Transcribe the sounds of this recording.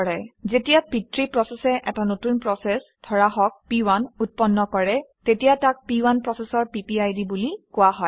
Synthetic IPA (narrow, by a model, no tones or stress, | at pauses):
ɔɹɛzetijapitɹipɹɔsɛsɛʔɛtanotunpɹɔsɛsdʰʱɔɹaɦɔk̚piwanut̚pɔnːɔkɔɹɛtetijatak̚piwanpɹɔsɛsɔɹpipiajdibulikʊwaɦɔj